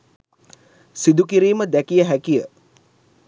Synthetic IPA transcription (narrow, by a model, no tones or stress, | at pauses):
sid̪ukiɾiːməd̪ækijəɦækijə